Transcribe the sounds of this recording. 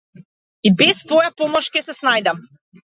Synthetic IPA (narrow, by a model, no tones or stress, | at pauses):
ibɛst̪vɔjapɔmɔʃkʲɛsɛsnajd̪am